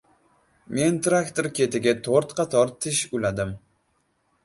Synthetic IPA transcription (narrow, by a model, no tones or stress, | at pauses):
me̞nt̪ɾakt̪oɾkʲe̞t̪ʰɪɡʲat̪ʰoɾt̪qʰɑt̪ʰɒɾt̪ʰɪʃʊlad̪ɪm